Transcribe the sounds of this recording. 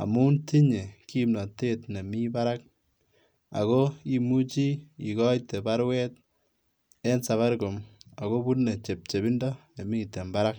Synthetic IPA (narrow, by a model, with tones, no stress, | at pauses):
a̰˨mu˦nti˦ɲe˨ki˦mnɔ˨te˦tne˨mi˦ba˦ɾa˦k̚ | a̰˨ɣo˦i˦mu˦t͡ʃi˦i˨kɔ˦jte˨ba˦ɾwɛ˦t̚ | e˦nsa˨βa˦ɾɡo˨ma˨ɣo˦bu˦tne˨t͡ʃe˨p̚t͡ʃe˨bi˦ndɔ˦ne˨mi˦te˨mba˦ɾa˦k